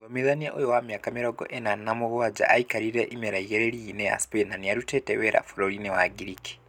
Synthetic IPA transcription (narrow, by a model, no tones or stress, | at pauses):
omiðanieʔojowamjakamiɾoɡoʔenanamuɣuwad͡ʒa̰ʔaikaɾiɾeʔimiɾaiɣeɾeɾineja̰spenaniaɾuteteβeɾa̰fuɾoɾinewaɡiɾiki̥